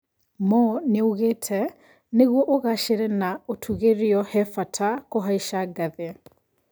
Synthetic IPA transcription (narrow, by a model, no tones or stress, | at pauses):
mɔneoɣetʰɛ | neɣwɔʔoɣaʃeɾɛnaotʰuɣeɾiɔhɛfatʰakoɦaiʃaɡaðe